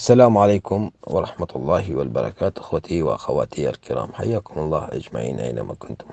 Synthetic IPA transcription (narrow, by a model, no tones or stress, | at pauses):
asːalaːmʕaleːkʊmwɑ̰ɾˤɑħmat̪lˤːɑːɦwalbɑɾˤɑ̰kaːt̪ʔɪxwat̪ʰiwɪʔaxawa̰ːt̪ija̰lkɪɾɑ̰ːmħajːaːkʊmɑlˤːɑːhʔa̰d͡ʒma̰ʕḭːnʔa̰jna̰ma̰kʊnt̪ʊm